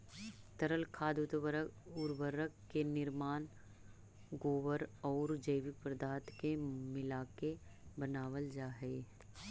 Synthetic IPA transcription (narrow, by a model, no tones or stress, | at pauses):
t̪əɾəlkʰaːd̪ʊt̪ʊɾʋəɾəkːenɪɾmaːn | ɡoːʋəɾɔːɾd͡ʒəɪʋɪk̚pɾəd̪ʱaːt̪kemɪlaːkebənaːʋəld͡ʒaːɦɛː